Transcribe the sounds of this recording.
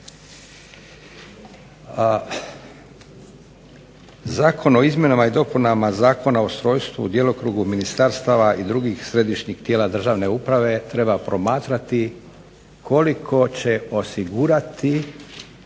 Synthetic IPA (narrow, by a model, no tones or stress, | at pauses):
zaːkʰo̞no̞izmje̞namaid̪o̞punamazaːkʰo̞nao̞st̪ɾo̞ːjst̪ʋṵd̪je̞lo̞kɾuɡuminist̪aɾst̪aʋaʔid̪ɾuɡixsɾe̞d̪iʃɲiɡt̪jeːlad̪r̩ʒaːʋne̞upɾaʋe̞t̪ɾe̞bapɾo̞maːt̪ɾat̪i | kʰo̞likʰo̞t͡ɕe̞o̞siɡuːɾat̪i